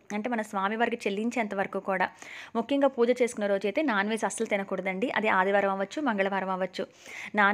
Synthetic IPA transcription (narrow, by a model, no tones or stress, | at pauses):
ɐɳʈeːmɐnɐmsʋaːmiʋɐɾɡɐt͡ʃelːiɲt͡ʃɛːnt̪ɐʋɐɾɐkuːkuːɽa̰ːmukʰːjɐŋɡaːpuːd͡ʒɐt͡ʃe̞ːsu̥kunːɐɾo̞ːd͡ʒɛːt̪eːnaːnʋeːsɐsɐlt̪inɐkuːɽɐd̪ɐɳɖiʔɐ̰d̪eaːd̪iʋɐːɾɐmɐʋɐt͡ʃːumɐŋɡɐɭɐʋaːɾɐmɐʋɐt͡ʃːu | naː